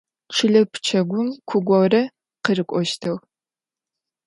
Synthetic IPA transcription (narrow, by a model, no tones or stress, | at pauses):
ʈ͡ʂʰɨɮɐpʰt͡ʃʰɐɡʷʊmkʷʰʊɡʷɔwrɐ | qərɨkʷʼɔʃtʰɐw